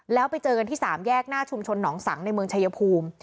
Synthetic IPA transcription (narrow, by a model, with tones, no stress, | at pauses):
lɛː˦˥wpa˧jt͡ɕɤː˧ka˧nt̪iː˥˩saː˩˦mjɛː˥˩k̚naː˥˩t͡ɕʰu˧mt͡ɕʰo˧nːɔː˩˦ŋsa̰˩˦ŋna˧jmɯ˧əŋt͡ɕʰa˧ja˧pʰuː˧m